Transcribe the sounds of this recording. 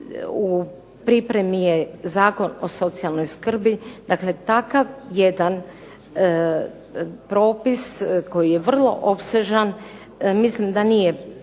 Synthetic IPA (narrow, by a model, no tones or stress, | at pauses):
u | pɾipɾe̞mijezaːko̞no̞so̞t̪sialˠno̞jskr̩bid̪̥akle̞t̪akaʋjed̪an | pɾo̞ːpisko̞jijeʋr̩lˠo̞̰ʔo̞pse̞ʒan | mislimd̪anije̞